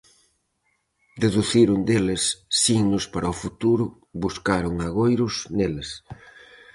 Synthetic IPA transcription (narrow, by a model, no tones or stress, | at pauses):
d̪eðuθiɾund̪elesːiɣnʊspaɾʔɐofut̪uɾʊ | βuskaɾʊŋaɣ̞ojɾʊsneles